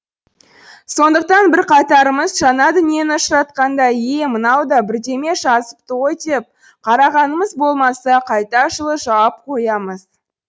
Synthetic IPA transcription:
so̞nd̪əq̚t̪ɑnbɪɾqʰɑt̪ɑɾəməzʒɑnɑd̪ʏnije̞nɪʊʃəɾɑt̪̚qɑnd̪ɑje̞mənɑwd̪ɑbɪɾd̪e̞me̞ʒɑzəp̚t̪ojd̪ep̚ | qʰɑɾɑʁɑnəməzbo̞lˠmɑsɑqʰɑjt̪ɑʃəlˠəʒɑwɑp̚qʰo̞jɑməz̥

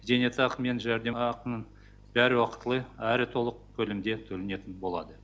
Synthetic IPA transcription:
ze̞net̪ɑqme̞nʒæɾd̪e̞ɑqənəɴ | b̥æɾɪwɑqə̥t̪əlˠəæɾɪt̪ʰo̞lˠəq̚kʲʰɵlɪmd̪e̞t̪ʰɵlɪne̞t̪ɪnbo̞lˠɑ̰d̪ə

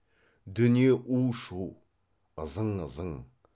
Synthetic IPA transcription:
d̪ʏnijeʔuʃuw | əzəɴəzəŋ

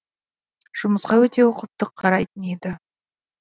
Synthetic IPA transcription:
ʒ̥ʊməsqɑwɵt̪e̞woqəp̚t̪əqʰːɑɾɑjt̪əned̪ɪ

